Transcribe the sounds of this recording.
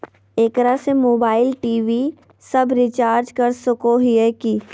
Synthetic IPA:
eːkɾasemoːbaːɪlʈiːʋi | sɐbɾɪt͡ʃaːɾd͡ʒkəɾsʊkoɦieki

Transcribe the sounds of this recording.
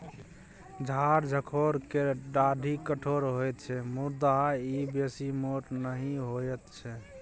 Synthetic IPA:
d͡ʒʱaɾd͡ʒʱəkʰoɾkeɖaɖʱikəʈʰoɾɦojt̪t͡ʃʰɛmuɾd̪aibesimoʈnəɦĩɦojət̪t͡ʃʰɛ

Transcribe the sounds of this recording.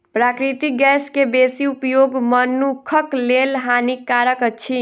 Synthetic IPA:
pɾakɾit̪iɡɛskebesiupjoɡmənːukʰəklelɦanikaɾəkət͡ʃʰi

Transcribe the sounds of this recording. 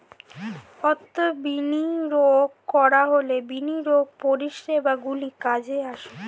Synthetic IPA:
ɔt̪ːobiniɾoɡ | kɔɾaɦolebiniɾoɡ̚poɾiʃɾebaɡulikad͡ʑeaʃu

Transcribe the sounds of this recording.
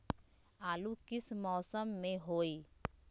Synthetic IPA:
aːlukɪsmɔːsəmːẽɦoːiː

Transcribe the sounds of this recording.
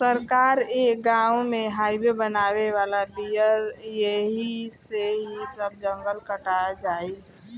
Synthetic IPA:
səɾkaːɾekɡãːwmẽɦaːɪbebənaːʋeʋaːlabijəɾjeɦiseɦisəb̚d͡ʒə̃ŋɡəlkəʈaad͡ʒaːi

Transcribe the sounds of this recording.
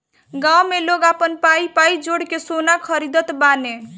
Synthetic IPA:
ɡawmeloɡapənpaipaid͡ʒoɽkesonakʰəɾid̪ət̪bane

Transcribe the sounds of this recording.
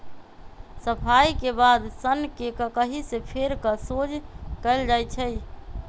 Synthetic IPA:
səpʰaikebad̪sənkekəkəɦisepʰeɾkəsod͡ʒkəɪld͡ʒajt͡ʃʰəj

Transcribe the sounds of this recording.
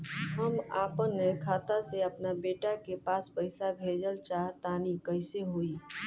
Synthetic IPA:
ɦəmaːpənːekʰaːt̪aseəpnabeːʈakepaːspəɪsabʱed͡ʒəlt͡ʃaɦt̪aːnikəɪseɦoi

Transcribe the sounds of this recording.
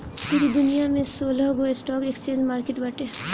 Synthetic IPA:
pɪɾid̪ʊnijamẽsoːlɔɦɡoesʈɔːkekst͡ʃẽːnd͡ʒmaːɾkeʈbaʈe

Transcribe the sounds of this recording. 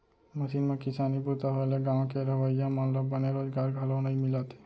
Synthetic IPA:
məsiːnmẽkɪsaːniput̪aɦoleɡãːw̃keɾəʋəijãmənɾəbəneɾoːd͡ʒɡaːɾɡʱalõnəɦĩmɪlaːt̪e̥

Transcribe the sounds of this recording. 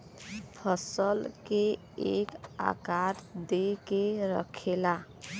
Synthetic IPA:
pʰʌsʌlke | eka̰kaɾd̪ekeɾʌ̰kʰela

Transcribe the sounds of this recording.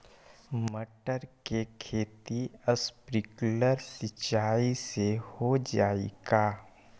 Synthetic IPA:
məʈəɾkekʰeːt̪iəspɾɪkləɾsɪt͡ʃaːisehod͡ʒaːḛɡaː

